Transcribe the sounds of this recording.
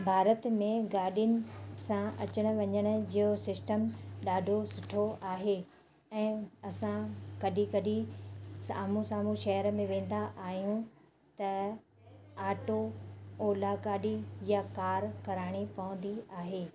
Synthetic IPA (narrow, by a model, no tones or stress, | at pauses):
bʱaːɾət̪mẽɡaːɗiʊnɪ̆sãɐt͡ɕəɽ̃ʊ̆ʋɐɲəɽ̃ʊ̆d͡ʑiːosɪsʈəmɗaːɖʱosʊʈʰoʔaːɦe | ɛ̃ːɐsãkɐɗikɐɗisaːmũsaːmũʃɐɦəɾə̆mẽʋẽːn̆d̪aʔaːɦijũ | t̪ɐ | aːʈooːlakaːɗijakaːɾkɐɾaːɽ̃ipɐʊ̃nd̪iaːɦeː